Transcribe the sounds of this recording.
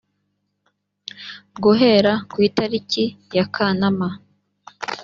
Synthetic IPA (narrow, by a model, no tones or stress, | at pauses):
ɡuɦe̞ɾakwiːtaɾicijakʰanama